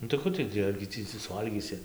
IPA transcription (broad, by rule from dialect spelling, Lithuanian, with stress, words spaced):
nʊ tɐɪ ˈkʊ tɐɪ ˈtʲiː ɐrʲɡʲɪ ˈtʲiː t͡sʲɪ sʊˈʋɐlʲɡʲiːsʲɪ